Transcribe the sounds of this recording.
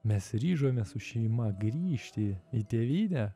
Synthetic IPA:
mʲɛsɾʲiːʒoːmʲɛsʊʃʲɛɪmɐɡɾʲiːʃʲt̪ʲɪit̪ʲeːʋʲiːnʲæ

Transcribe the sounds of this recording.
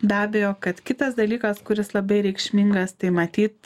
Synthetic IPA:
d̪ɑːbʲejoːkɐt̪kʲɪt̪ɐsd̪ɐlʲiːkɐskʊɾʲɪslˠɐbɐɪɾʲɛɪkʃʲmʲɪŋɡɐst̪ɐɪmɐt̪ʲiːt̪

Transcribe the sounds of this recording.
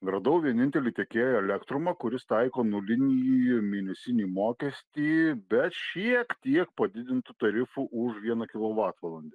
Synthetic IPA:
ɡɾɐd̪ɐʊʋʲiɛnʲɪnʲt̪ʲɛlʲiːt̪ʲeɛkʲeːjoɛlʲɛkt̪ɾʊmɐkʊɾʲɪst̪ɐɪkoːnʊlʲɪnʲijimʲiːnʲɛsʲɪnʲiːmoːkʲɛsʲt̪ʲiːbʲɛt̪ʃʲiɛkt̪ʲiɛk̚pɐd̪ʲɪd̪ʲɪnt̪ʊt̪ɐɾʲɪfuʔʊʃʋʲiɛnɐkʲɪlˠoːʋɑːt̪ʋɐlˠɐnʲd̪ʲe

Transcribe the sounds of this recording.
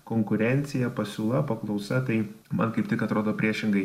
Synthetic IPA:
koːŋkʊɾʲɛnʲt̪sʲɪjɛpɐsʲuːlˠɐpɐklˠɐʊsɐt̪ɐɪmɐnkɐɪpt̪ʲɪkɐt̪ɾoːd̪oːpʲɾʲiɛʃʲɪŋɡɐɪ

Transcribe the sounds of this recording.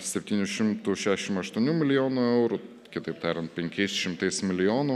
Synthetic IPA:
sʲɛpʲt̪ʲiːnʲʊʃʲɪmt̪ʊʃʲæːʃʲɛʃʲɪmɐʃt̪uɔnʲuːmʲɪlʲɪjoːnʊɛʊɾʊ | kʲɪt̪ɐɪpt̪ɑːɾʲɛnt̪̚pʲɛŋʲkʲɛɪsʃʲɪmt̪ɐɪsmʲɪlʲɪjoːnʊ

